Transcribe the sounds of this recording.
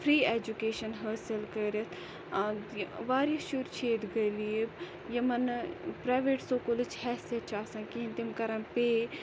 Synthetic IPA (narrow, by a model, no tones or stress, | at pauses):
fʰɾiːeːd͡ʒukeːʃɐnɦəːsilkəɾʲɐt̪ʰ | ʋaːɾiʃuɾt͡ʃʰeːd̪ɡɐlib | jɐmɐnpɾaːʋeːʈsoːkolɨt͡ʃʰhɛːsiɐt̪t͡ʃʰaːsɐ̃ːkĩnt̪imkɐɾɐnpeː